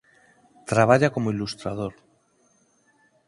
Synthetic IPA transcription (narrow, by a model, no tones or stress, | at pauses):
t̪ɾaβ̞aʎako̞moilust̪ɾað̞oɾ